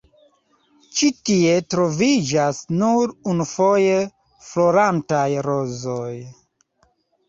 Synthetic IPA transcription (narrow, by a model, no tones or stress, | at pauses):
t͡ʃitie̞tɾo̞vid͡ʒasnuɾunufoje | flo̞ɾantajɾo̞zo̞j